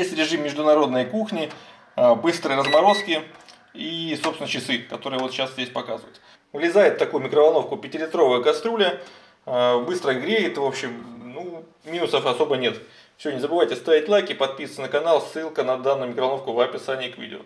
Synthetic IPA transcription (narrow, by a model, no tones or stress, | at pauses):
jesʲtʲɾʲɪʐɨmʲːɪʐd̪ʊnɐɾo̞d̪nəjkuxnʲɪ | əbɨst̪ɾɨjərəzmɐɾo̞skʲɪ | isopsʲɪnət͡ɕɪsɨkɐt̪o̞ɾɨəvo̞t̪ɕaszʲdʲesʲpɐkazəvə̰ɪt̪ | vlʲɪzajɪt̪ft̪ɐkujʊmʲɪkɾəvɐlˠno̞fkʊpʲɪtʲɪlʲɪt̪ɾo̞vəjəkɐst̪ɾulʲə | əbɨst̪ɾəɪɡɾʲejɪt̪ɨvo̞pɕːɪmnu | mʲinʊsəfɐso̞bənʲe̞t̪ | fsʲɪonʲɪzəbɨvajtʲɪst̪avʲɪtʲlˠajkʲɪpɐt̪̚pʲist̪sənəkɐnalˠsːɨlˠkənɐd̪anːʊjʊmʲɪkɾəvɐnofkʊvɐpʲɪsanʲɪːkvʲḭdʲɪ̰ʊ̰